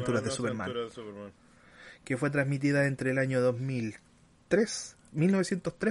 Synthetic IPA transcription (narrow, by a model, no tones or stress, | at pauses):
nt̪uɾazðesupeɾma̰n | kefwe̞t̪̬ɾazmit̪̬iðaent̪ɾeːlaɲoðozmil | t̪ɾes | milno̞βesjent̪ost̪ɾe